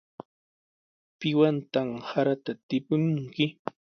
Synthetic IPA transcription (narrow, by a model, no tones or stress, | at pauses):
pɪwant̪amhaɾat̪at̪ɪpʊŋŋkɪ